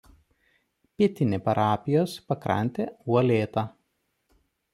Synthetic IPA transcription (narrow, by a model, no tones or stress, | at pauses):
pʲiɛt̪ʲɪnʲepɐɾʔɑːpʲɪjoːspɐkɾɐ̰nʲt̪ʲeːuɔlʲeːt̪ɑ